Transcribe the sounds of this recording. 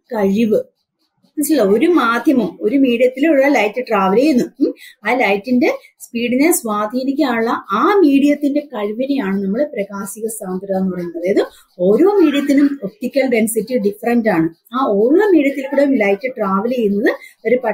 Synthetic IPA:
kɐɻiʋɨ | ɐsilːɐo̞ɾumaːd̪ʱjɐmɐmo̞ɾumiːɽijɐt̪ːilɭːɐlɐjtːɨʈraːʋɐleːjunːuaːlɐjtːinde̞ | spiːɽinesʋaːd̪ʱinikʲːaːɭːɐʔaːmiːɽijɐt̪ːinde̞kɐɻʋinejaːɳɨnɐmːɐɭeprɐɣaːsiɣɐst̪aːnd̪ʱiɾaːenːɨpɐrɐjɲːunːɐðejɐðɨ | o̞ɾo̞ːmiːɽijɐt̪ːinumop̚ʈikʲːɐlɖe̞nsitːiɖifɐrɐndaːɳɨaːoːɻɐmiːɽjɐt̪ːilkʲuɽelɐjtːɨʈraːʋɐlejɾunːɐðɨoɾupɐ

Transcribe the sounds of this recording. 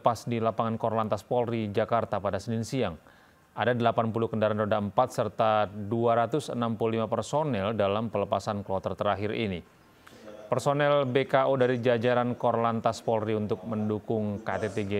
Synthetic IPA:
pasdilapaŋankɔrlant̪aspɔlrid͡ʒakart̪apadasəninsiaŋ | ʔadadəlapanpulukəndaɾanɾodaəmpat̪̚sərt̪aduaɾat̪ʊsə̰nampululimapərsonɛldalampələpasanklɔt̪ərt̪əɾaɦɪrḭni | pərsonɛlbekaʔodaɾid͡ʒad͡ʒaɾankɔrlant̪aspɔlriunt̪ʊk̚məndukʊŋka̰t̪et̪eɡe

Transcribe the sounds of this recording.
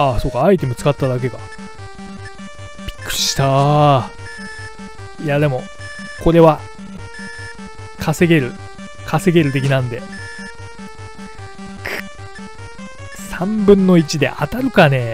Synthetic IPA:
aso̞ːkːaːit̪̬e̞mɯ̟t͡sɨ̥kat̪ːad̪ak̬e̞ɡa | b̥ʲi̥kːɯ̟̥ɕi̥i̥t̪a | iad̪e̞mo̞ | ko̞ɾe̞βa | kʰase̞ɡe̞ɾɯ̟ | kʰase̞ɡe̞ɾɯ̟t̪̬e̞kʲinãnd̪e̞ | kʰɯ̥ | sãmbɯ̟̃nːo̞it͡ɕid̪e̞̰ʔa̰t̪aɾɯ̟kane̞

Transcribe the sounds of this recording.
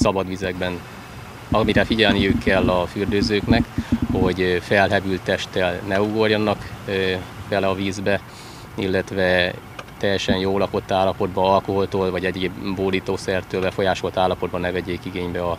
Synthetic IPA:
sɒbɒd̪ʋizɛɡbɛn | ɒmiɾɛfiɟɛlnijykʰːɛlːɒfyrd̪øːzøːknɛkho̞ɟfɛlɦɛbylt̪ːɛʃt̪ɛlnɛuɡo̞rjɒnːɒk | bɛlɛɒviːzbɛ | ilːɛt̪ʋɛ | t̪ɛjːɛʃɛnjoːlɒpo̞t̪ːaːlːɒpo̞d̪bɒɒlko̞ɦlt̪oolvɒɟɛɟeːbboːliːt̪oːsɛrt̪øːlbɛfo̞jaːʃo̞lt̪aːlːɒpo̞d̪̚bɒnːɛvɛɟːeːkiɡeːɲbɛɒ

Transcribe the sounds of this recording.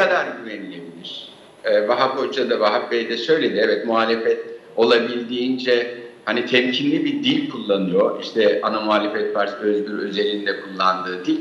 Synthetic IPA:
ad̪aɾɟynemilʲebilʲiɾ̝̥ | ɛːvaɦaphot͡ʃ̪ad̪avaɦap̚bejd̪ɛʃø̞jlʲed̪iɛvɛt̪muɦaːlʲefɛt̪o̞lˠabilʲd̪iːnd͡ʒɛhanit̪ʰɛmcʰinlʲibid̪ilʲkʰulˠːanɯjoʔiʃt̪ʰɛanamuɦaːlʲefɛt̪̚paɾt̪øzbʲyɾø̞ze̞ɾind̪ɛkʰulˠːand̪ɯːd̪ilʲ

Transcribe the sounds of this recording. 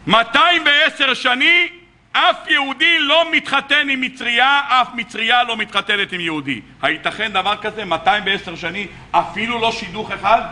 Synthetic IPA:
mat̪aimveese̞ʁʃani | afjehud̪ilo̞mit̪χat̪e̞nimːit͡sʁiaʔafmit͡sʁialo̞mit̪χat̪ene̞t̪imjeud̪ḭ | hait̪aχe̞nd̪avaʁkaze̞mat̪aimveeseʁʃani | ʔafilulo̞ʃid̪uχe̞χad̪

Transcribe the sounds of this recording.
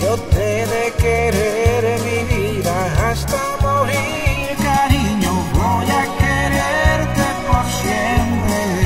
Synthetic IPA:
pod̪eɾekeɾeɾviviɾaast̪amowɾi | kaɾiɲʊvojakeɾeɾt̪epoɾsent̪e

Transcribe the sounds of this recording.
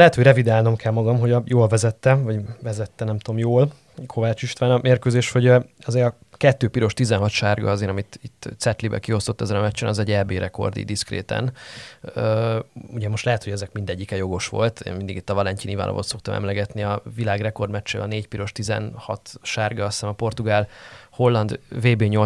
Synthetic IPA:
lɛɦɛt̪ho̞ɟrɛvid̪aːlnomkʰɛlmɒɡɒmɦo̞ɟɒjoːlvɛzɛt̪ːɛvɒɟvɛzɛt̪ːɛnɛmt̪oomjoːl | kʰo̞vaːt͡ʃiʃt̪ʋaːnɒmeːrkøːzeːʃho̞ɟɒzeːɾɒ | kɛt̪ːøːpiɾo̞ʃt̪izɛnɦɒt̪ʃaːrɡɒ̰zeːɾɒmit̪it̪ːsɛt̪libɛ̰kio̞st̪o̞t̪ːɛzɛnɒmɛt͡ʃːɛnɒzɛɟɛlbeːɾʔɛko̞̰rd̪ḭd̪iskrḛːt̪ɛ̰n | uɟɛmo̞ʃtlɛɦɛt̪ho̞ɟɛzɛkmind̪ɛɟːikɛjo̞ɡo̞ʃʋo̞̰lt̪ḛːnmind̪iɡit̪ːɒvɒlɛɲciniva̰lɒ̰vo̰t̪so̞kt̪ɒmʔɛ̰mlɛɡɛt̪niɒvilaːɡrɛko̞rd̪mɛt͡ʃːḛːɒneːcpiɾo̞ʃt̪izɛ̰nhɒ̰t̪ʃaːrɡɒɒst̪aːnɒpo̞rt̪uɡaːlho̞lːɒnd̪veːbeːɲo̞

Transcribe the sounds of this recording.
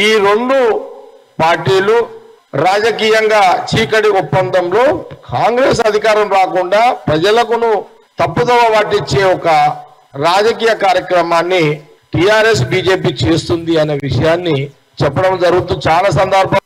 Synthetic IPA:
iːɾo̞ɳɖu | paːɾʈiːlu | ɾaːd͡ʒɐkiːjɐŋɡaːt͡ʃiːkɐɽiupːɐnd̪ɐmlo̞ːkʰaːŋɡɾeːs̬ɐd̪ʱikaːɾɐmɾaːkuɳɖaːpɾɐd͡ʒɐlɐkunu | t̪ɐpːud̪ɐʋɐʋaːʈːit͡ʃːe̞ːɔkɐ | ɾaːd͡ʒɐkiːjɐkaːɾjɐkɾɐmaːnːi | ʈijaːɾe̞sbiːd͡ʒe̞ːp̬iːt͡ʃe̞ːst̪und̪iɐne̞ːʋiʂɐjaːnːi | t͡ʃɛpːɐɽɐmd͡ʒɐɾuɡut̪̬unt͡ʃaːlaːs̬ɐnd̪ɐɾbʱɐ

